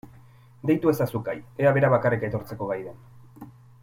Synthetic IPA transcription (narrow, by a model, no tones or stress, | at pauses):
d̪e̞jt̪ue̞sasukaje̞aβe̞ɾaβakarike̞t̪o̞ɾt͡se̞ko̞ɣajðen